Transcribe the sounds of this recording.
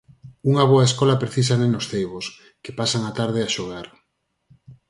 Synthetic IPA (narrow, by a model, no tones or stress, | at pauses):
uŋaβoaeskɔlapɾeθis̬anenosθejβos | ke̥pasaŋat̪aɾðeaʃoɣ̞aɾ